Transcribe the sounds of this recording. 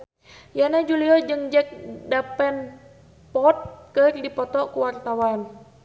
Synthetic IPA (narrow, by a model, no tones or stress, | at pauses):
janad͡ʒuliɔd͡ʒɨŋd͡ʒɛk̚dapɛn | pɔt̪̚kərdipɔt̪ɔʔkuwart̪awan